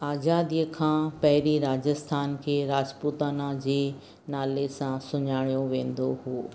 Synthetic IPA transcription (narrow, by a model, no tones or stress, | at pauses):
aːzaːd̪ijəkʰãːpɐɦɪɾiɾaːd͡ʑəst̪ʰaːnkʰeːɾaːd͡ʑput̪aːnad͡ʑeː | naːlesãsʊɲaːɽijoʋẽːnd̪ohuː